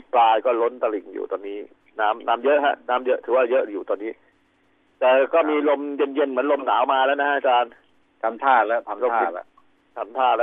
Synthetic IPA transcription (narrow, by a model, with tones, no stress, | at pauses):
plaː˧jkɔː˥˩lo˦˥nt̪a˧li˨˩ŋjṵː˨˩t̪ɔː˧nːiː˦˥ | naː˦˥mnaː˦˥mjɤ˦˥ʔɦa˦˥ʔnaː˦˥mjɤ˦˥ʔt̪ʰɯː˩˦waː˥˩jɤ˦˥ʔjuː˨˩t̪ɔː˧nːiː˦˥ | t̪ɛː˨˩kɔː˥˩miː˧lo˧mje˧nje˧nmɯ˩˦nlo˧mnaː˩˦wmaː˧lɛː˦˥wna˦˥ʔa˧t͡ɕaː˧n | t̪ʰa˧mt̪ʰaː˥˩lɛ˦˥t̪ʰa˧lo˧aː˥i˧˩˦ | t̪ʰa˧mt̪ʰaː˥˩lɛː˦˥